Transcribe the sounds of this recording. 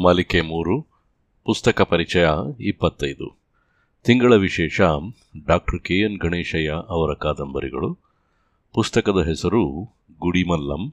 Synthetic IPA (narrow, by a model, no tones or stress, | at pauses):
mɐlikemuːɾu | pust̪ɐkɐpɐɾit͡ʃɐjaipːɐt̪ːɐjd̪ṵ | t̪iŋɡɐɭɐʋiʃɛːʂaːm | ɖaːk̚ʈɐɾkeːjɐnɡʱɐɳeːʃɐjaʔɐʋɐɾɐkaːd̪ɐmbɐɾḭɡɐ̰ɭu | pust̪ɐkɐd̪ɐɦɛsɐɾu | ɡuɽimɐlːɐ̰m